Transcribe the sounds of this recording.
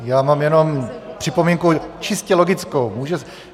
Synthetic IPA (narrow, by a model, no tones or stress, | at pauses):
jaːmaːmjɛno̞mpr̝̥ɪpomiŋkut͡ʃɪscɛlo̞ɡɪt͡skowmuːʒɛ